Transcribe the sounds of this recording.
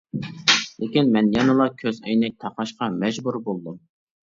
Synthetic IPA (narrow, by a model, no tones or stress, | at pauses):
lɪkʲinmɛnjɑnɨlˠɑkʲʰøzɛjnɛk̚ʲt̪ʰɑqɑʃqɑmɛd͡ʒbuɾbolˠd̪um